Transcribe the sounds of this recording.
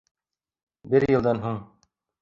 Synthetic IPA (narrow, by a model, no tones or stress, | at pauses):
bɘɾjɤ̆lˠd̪ɑnɦuɴ